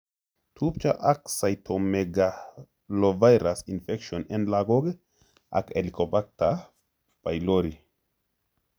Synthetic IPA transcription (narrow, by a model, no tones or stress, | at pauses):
tʰupt͡ʃaʔaksajtʰomeɡa | lovajɾasinfekʃionenlaɡoɡ | a̰kelikopak̚ta | vajloɾi